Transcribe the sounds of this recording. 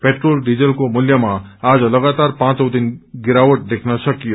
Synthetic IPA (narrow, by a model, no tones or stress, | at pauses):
peʈrolɖid͡zʌlkomuljʌmaːd͡zʌlʌɡat̪arpãt͡sʌwd̪inɡiɾawʌʈ̚d̪ekʰnʌsʌkijo